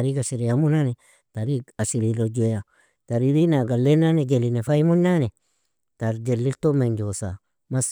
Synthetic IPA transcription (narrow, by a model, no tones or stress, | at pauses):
aɾiɡasiɾijamunane | taɾiɡasiɾilod͡ʒeja | taɾiɾinaɡalːenaned͡ʒelinefajmunane | taɾd͡ʒelːiltomend͡ʒosa | mas